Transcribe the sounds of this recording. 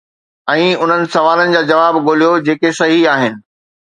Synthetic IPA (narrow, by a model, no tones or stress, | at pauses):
ɛ̃ːʊn̤ənɪ̆sɐʋaːlənɪ̆d͡ʑaːd͡ʑɐʋaːbɡoːlijod͡ʑeːkesɐɦiaːɦɪnɪ̆